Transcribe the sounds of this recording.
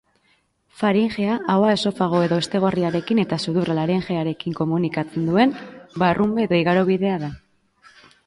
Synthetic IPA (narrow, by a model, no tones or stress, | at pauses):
faɾiŋʝe̞aʔawae̞so̞faɣ̞o̞e̞ðo̞est̪e̞ɣ̞oriaɾe̞kine̞t̪asuðuralaɾeŋʝe̞aɾe̞kiŋko̞munikat͡se̞nd̪ue̞nbarʔumbe̞ːðo̞iɣaɾo̞βiðe̞aða